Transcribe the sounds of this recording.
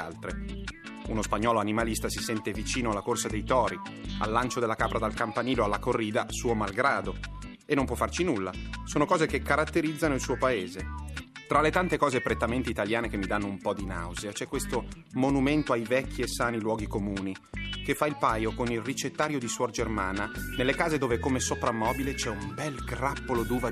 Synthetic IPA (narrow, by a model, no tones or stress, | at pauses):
a̰lt̪ɾe | unospaɲːɔːloanimalist̪asisɛnt̪evit͡ʃiːnoalːakorsad̪ejt̪ɔːɾia̰lːant͡ʃod̪elːakaːpɾad̪alkampaniːloalːakorːiːd̪asuːomalɡɾaːd̪o | enːompwɔfːart͡ʃinulːasoːnokɔːzekekːaɾat̪ːeɾid̪zːanoilsuːopaeːzet̪ɾalet̪ant̪ekɔːzepɾet̪ːament̪iit̪aljaːnekemːid̪anːoumpɔd̪ina̰wziat͡ʃɛkːwest̪o | monument̪oajvɛkːiesːaːnilwɔːɡikomuːni | kefːailpaːjokonilrit͡ʃet̪ːaːɾjod̪iswɔrd͡ʒermaːnanelːekaːzed̪oːvekomesopɾamːɔːbilet͡ʃɛumbɛlɡrapːolod̪uːva